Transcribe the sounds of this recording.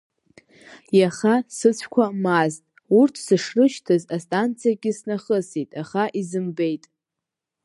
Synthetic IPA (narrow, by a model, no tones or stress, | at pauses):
jaχasɨt͡sʷʰkʷʰamaztʼ | urtʰsɨʂrɨʃtʰɨzastʼant͡sʰijaɡʲɪsnaχəsitʼaχaʔizɨmbejtʼ